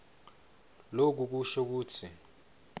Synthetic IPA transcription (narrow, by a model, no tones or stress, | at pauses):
lok̬uk̬uʃɔk̬uːtʰi